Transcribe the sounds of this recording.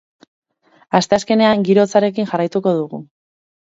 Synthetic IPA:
ast̪easke̞ne̞aŋɡiɾo̞t͡saɾe̞kinʝarajt̪uko̞ðuɣu

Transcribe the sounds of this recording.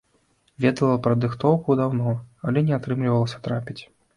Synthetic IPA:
vʲɛd̪ɐlˠɐpɾɐd̪ɨxt̪ɔwkud̪awnɔalʲɛnʲɛat̪ɾɨmlʲivɐlˠɐsʲɐ̥t̪ɾapʲit͡sʲ

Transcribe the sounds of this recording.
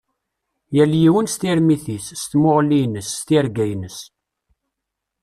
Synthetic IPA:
jæljiwənst̪ɪɾmiθisːt̪moʁlinəsːt̪ɪɾɡæjnəs

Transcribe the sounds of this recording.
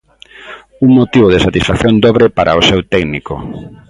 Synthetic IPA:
uŋmot̪iβoðesat̪isfakθjõnd̪ɔβɾepaɾʔaosewt̪ɛɡniko̰

